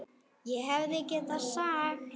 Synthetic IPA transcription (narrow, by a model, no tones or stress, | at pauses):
jɛɦɛvðɪecɛt̪aðsaːɣ